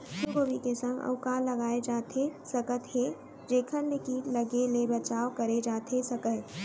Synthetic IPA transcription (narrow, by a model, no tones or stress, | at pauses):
ʃukobikesə̃ŋɡɐ̰ʊkalɐɡaːed͡ʒaːt̪ʰesɐkət̪ɦe | d͡ʒeːkʰənlɪkiːʈlɐɡelebɐt͡ʃaːokɐɾed͡ʒaːt̪ʰesɐkət̪